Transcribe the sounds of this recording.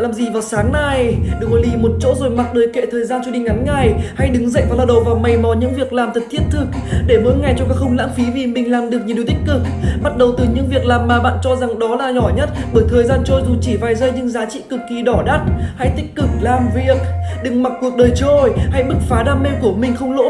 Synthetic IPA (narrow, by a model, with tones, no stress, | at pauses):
laː˨˩mzi˨˩vaː˨˩wsaː˨˦ŋna˨˩jɗɨ˨˩ə˩klo˨˦li˧˩mo˨˩t̚t͡ɕo̰˧˥zo˨˩jma˨˩k̚ɗəː˨˩jkḛ˧˨t̪ʰəː˨˩jzaː˧nt͡ɕɔ˧ɗï˨˧˩ŋʔa˨˦nŋa˨˩jha˧jɗɨ˨˦ŋzə̰˧˨jvaː˨˩laː˧wɗə˨˩wvaː˨˩wma˨˩jmɔ˨˦ɲɨ̰˧˥ŋvi˨˩ək̚laː˨˩mt̪ʰə˨˩t̚t̪ʰi˦˥ət̚t̪ʰɨ˨˩k̚ɗe˧˩mṵ˧˥əŋa˨˩jt͡ɕɔ˧ŋ͡mkaː˦˥k̚xə˧wŋ͡mla̰ː˧˥mfi˨˦vi˨˩mï˨˩ŋ̟laː˨˩mɗɨ˨˩ək̚ɲ˨ɗt̪i̟˦˥kɨ˨˩k̚ɓa˦˥t̚ɗə˨˩wt̪ɨ˨˩ɲɨ̰˧˥ŋvi˨˩ək̚laː˨˩mːaː˨˩ɓa̰ː˧˨nt͡ɕɔ˧za˨˩ŋɗɔ˨˦laː˨˩ɲɔ˧˩ɲə˦˥t̚ɓəː˧˩jt̪ʰəː˨˩jzaː˧nt͡ɕo˧jzu˨˩t͡ɕi˧˩vaː˨˩jzə˧jɲɨ˧ŋzaː˨˦t͡ɕḭ˧˨kɨ˨˩kːi˨˩ɗɔ˧˩ɗa˦˥t̚ha̰˧˥jt̪ï˦˥k̟̚kɨ˨˩k̚laː˨˩mvi˨˩ək̚ɗɨ˨˩ŋma˨˩t̚kːu˨˩ək̚ɗəː˨˩jt͡ɕo˧˩jha̰˧˥jɓɨ˦˥k̚faː˨˦ɗaː˧˩mːɛ˧wku˧˩əmï˨˩ŋ̟xə˧wŋ͡mlo̰˧˥